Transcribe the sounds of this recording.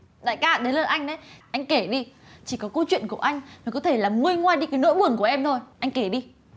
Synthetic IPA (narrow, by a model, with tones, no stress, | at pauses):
ɗa̰ː˧˨jkaː˧˩ɗe˨˦nləː˧˩ʔa˧jŋ̟ɗə˨˦jʔa˧jŋ̟ke˧˩ɗi˧t͡ɕi˧˩kɔ˨˦kə˧wt͡ɕwḭ˧˨ənku˧˩əʔa˧jŋ̟maː˨˩kɔ˨˦t̪ʰe˧˩laː˨˩mŋɨ˧əjŋwaː˧jɗi˧kaː˨˦jno̰˧˥jɓɨ˨˩əŋku˧˩ʔɛ˧mt̪ʰo˧jʔa˧jŋ̟ke˧˩ɗi˧